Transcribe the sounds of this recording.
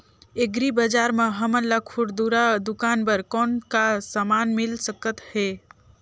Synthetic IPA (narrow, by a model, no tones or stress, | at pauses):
eɡɾibəd͡ʒaɾmeɦəmənlakʰuɽd̪uɾad̪ukanbəɾkɔnkasəmanmilsəkət̪he